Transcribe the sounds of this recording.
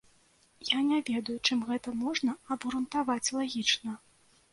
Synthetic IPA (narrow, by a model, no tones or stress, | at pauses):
janʲavʲɛd̪ɐjut͡ʂɨmɣɛt̪ɐmɔʐnɐɐbɣɾunt̪avat͡sʲlˠaɣʲit͡ʂnɐ